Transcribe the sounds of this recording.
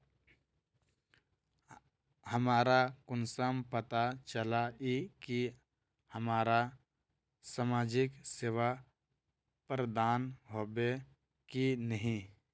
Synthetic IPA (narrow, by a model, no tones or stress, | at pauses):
həmaːɾakʊnsəmpət̪at͡ʃəlaiki | həmaːɾa | samaːd͡ʒɪkseːʋa | pɾəd̪aːnɦoːbe | kinəɦĩ